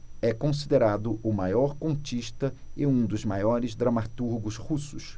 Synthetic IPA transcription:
ɛkõs̬id̪eɾad̪ʊʔʊmajɔɾkõnt͡ʃiʃt̪ɐeũd̪ʊzmajɔɾɪzd̪ɾɐmat̪uɾɡʊzhusʊs

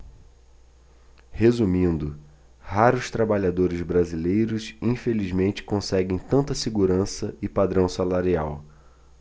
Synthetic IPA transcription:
hezumĩnd̪ʊ | haɾʊst̪ɾabaʎad̪oɾɪzbɾazilejɾʊsĩfelizmẽnt͡ʃɪ̥kõsɛɡẽj̃t̪ɐ̃nt̪ɐseɡuɾɐ̃sɐɪpad̪ɾɐ̃w̃salaɾiaw

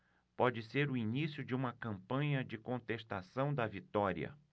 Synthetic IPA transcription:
pɔd͡ʒɪseɾʊinisjʊd͡ʒɪũmɐkɐ̃mpɐ̃ɲɐd͡ʒɪkõnt̪est̪asɐ̃w̃d̪ɐvit̪ɔɾiɐ̰

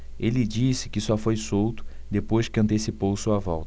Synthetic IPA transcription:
elɪd͡ʒisɪ̥kɪsɔfojsowt̪ʊ̥ | d̪epojʃkɪɐ̃nt̪esipowsuɐvɔ̰wt̪ɐ

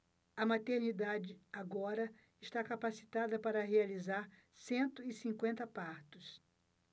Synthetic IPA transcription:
ɐmat̪eɾnid̪ad͡ʒɪaɡɔɾɐ | ɪʃt̪akapasi̥t̪ad̪ɐpaɾɐɦealizaɾ | sẽnt̪ʊɪsĩŋkwẽnt̪ɐpaɾt̪ʊs

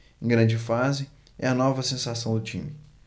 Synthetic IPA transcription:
ẽɡɾɐ̃d͡ʒɪfazɪ | ɛ̰ɐnɔvɐsẽsasɐ̃w̃d̪ʊt͡ʃĩmɪ

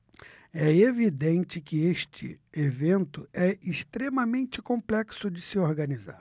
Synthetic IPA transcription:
ɛevid̪ẽnt͡ʃɪkɪeʃt͡ʃɪ̰evẽnt̪ʊɛɪst̪ɾemɐmẽnt͡ʃɪkõmplɛksʊd͡ʒɪsɪoɾɡɐniza̰ɾ

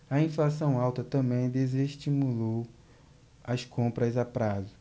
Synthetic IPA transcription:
ɐĩflasɐ̃w̃awt̪ɐt̪ɐ̃bẽj̃d̪ezeʃt͡ʃimulow | ɐskõmpɾɐzapɾazʊ

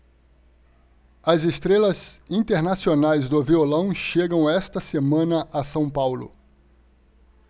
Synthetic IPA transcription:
ɐzest̪ɾelɐzĩt̪eɾnasionajzd̪ʊviolɐ̃w̃ʃeɡɐ̃w̃ɛst̪ɐsemɐ̃nɐʔɐsɐ̃w̃pawlʊ̰

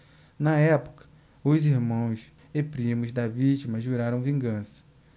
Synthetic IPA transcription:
nɐɛpʊ̥kɐ̥ | ʊziɾmɐ̃w̃s | epɾĩmʊzd̪ɐvit͡ʃimɐʒuɾaɾɐ̃w̃vĩŋɡɐ̃sɐ̥

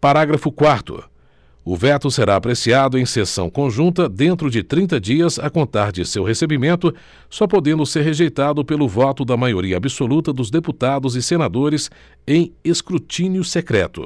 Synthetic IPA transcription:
paɾaɡɾɐfʊkwaɾt̪ʊ̰ | ʊvɛt̪ʊseɾaːpɾesiad̪ʊẽj̃sesɐ̃w̃kõʒũnt̪ɐd̪ẽnt̪ɾʊd͡ʒɪt̪ɾĩnt̪̬ɐd͡ʒiɐzɐkõnt̪aɾd͡ʒɪsewɦesebimẽnt̪ʊ | sɔpod̪ẽnd̪ʊseɾɦeʒejt̪ad̪ʊpelʊvɔt̪ʊd̪ɐmajoɾiɐabisolut̪ɐd̪ʊzd̪eput̪ad̪ʊzɪsenad̪oɾɪs | ẽj̃eskɾut͡ʃĩnjʊsekɾɛ̰t̪ʊ̰

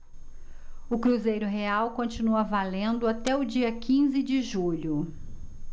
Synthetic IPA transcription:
ʊkɾuzejɾʊɦeawkõt͡ʃinuɐvalẽnd̪ʊat̪ɛʊd͡ʒiɐkĩzɪd͡ʒɪʒuʎʊ

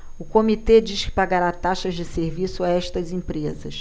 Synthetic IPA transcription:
ʊkomit̪ed͡ʒiʃkɪ̥paɡaɾat̪aʃɐʒd͡ʒɪseɾvisʊaɛʃt̪ɐzẽpɾezɐ̰ʃ

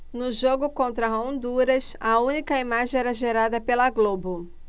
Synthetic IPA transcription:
nʊʒoɡʊkõnt̪ɾɐõnd̪uɾɐsɐũnikɐimaʒẽɛɾɐʒeɾad̪ɐpelɐɡlobʊ

